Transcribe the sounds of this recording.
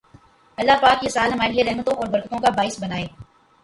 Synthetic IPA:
ɐlːapaːkjesaːlɦɐmaːɾelieɾɛɦmət̪õʔɔːɾbɐɾkət̪õkabaːɪsbɐnaːeː

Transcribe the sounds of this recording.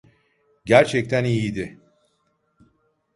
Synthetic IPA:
ɟæɾt͡ʃʰɛc̚t̪ʰænijid̪ɪ

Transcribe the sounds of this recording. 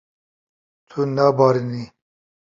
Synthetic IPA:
t̪ʰunabaɾini

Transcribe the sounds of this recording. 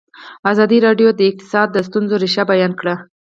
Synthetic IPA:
azɑd̪iɾɑɖjod̪əɪq̚t̪ɪ̥sɑd̪̚ːəs̬t̪unzoɾiʃabajɑnkɽa

